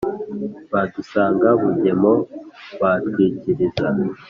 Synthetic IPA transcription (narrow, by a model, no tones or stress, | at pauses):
βadusaːŋɡaβuɲe̞mo̞βatwiːciɾiza